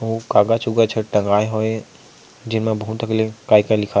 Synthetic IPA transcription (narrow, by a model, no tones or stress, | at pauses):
oːkaːɡat͡ʃuɡat͡ʃʰəʈɐ̃ŋɡaːeɦoːe | d͡ʒɪnmẽbɐɦut̪ɐklekaːikalɪkʰa